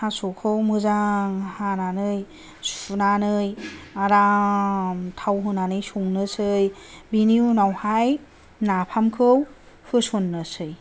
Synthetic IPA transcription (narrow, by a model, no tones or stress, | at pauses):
hasokʰɯwmɯzaŋhananɯj | sunanɯjaɾa | mtʰawɦɯnanɯjsuŋnɯsɯjbiniwnawhaj | napʰamkʰɯw | hɯsonːɯsɯj